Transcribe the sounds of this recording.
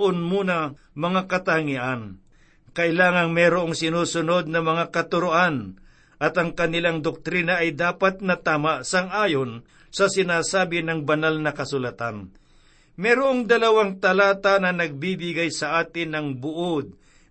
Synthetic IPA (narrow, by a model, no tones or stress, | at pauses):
ʔonmuːnɐ | mɐŋakɐt̪aŋiʔan | kɐʔɪlaːŋɐŋmɛɾʊʔoŋsɪnuːsʊno̞d̪̚nɐmɐŋakɐt̪ʊɾʊʔan | ʔɐt̪ɐŋkɐnɪlaŋd̪ok̚t̪ɾinɐʔɐjd̪aːpat̪̚nɐt̪aːmaʔsɐŋʔaːjon | sɐsɪnaːsaːbɪnɐŋbɐnalnɐkɐsʊlɐt̪an | mɛɾʊʔoŋd̪ɐlɐwaŋt̪ɐlaːt̪anɐnɐɡ̚bibɪɡajsɐʔaːt̪ɪnɐŋbʊʔod̪̚